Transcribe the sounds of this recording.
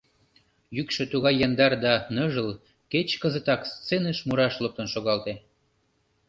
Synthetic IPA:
jykʃø̆t̪uɣɑjːɑnd̪ɑrd̪ɑnɤʒəl | ket͡ɕkəzə̆t̪ɑkst͡senəʃmuɾɑʃlɤp̚t̪ənʃoɣɑlt̪e

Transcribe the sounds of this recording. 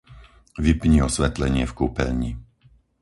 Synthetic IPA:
ʋipɲiɔsʋɛt̪lɛɲɪɛfkuːpɛ̰ʎɲi

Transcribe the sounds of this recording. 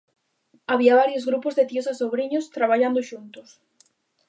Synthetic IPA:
aβiaβ̞aɾjozɣɾupozðet̪iosasoβɾiɲost̪ɾaβ̞aʎand̪oʃunt̪ʊs

